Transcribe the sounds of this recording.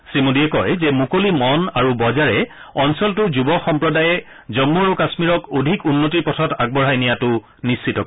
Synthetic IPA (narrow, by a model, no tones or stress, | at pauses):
simodijɛkɔjzɛmukolimɔnaɹubɔzaɹɛ | ɔnsɔltʊɹzubɔxɔmpɹɔdajɛ | zɔmːuaɹukasmiɹɔkodʱikunːotiɹpɔtʰɔtaɡ̚bɔɹɦajnijatʊ | nist͡ʃːitɔk